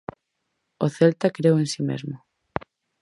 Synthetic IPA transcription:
oθelt̪akɾewensimḛzmʊ

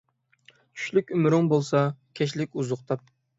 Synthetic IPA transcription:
t͡ʃʰy̥ʃlykʲymɾɪŋbolˠsɑkʲʰɛʃlɪkʲuzʊqt̪ʰɑp̚

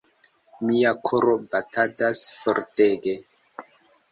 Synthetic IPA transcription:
miakʰoɾobatatasfoɾteɡe

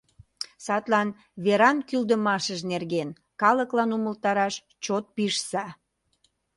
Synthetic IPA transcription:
sɑt̪lɑn | βeɾɑnkyld̪əmɑʃəʒnerɣen | kɑləklɑnuməlt̪ɑɾɑʃ | t͡ɕot̪̚piʃsɑ

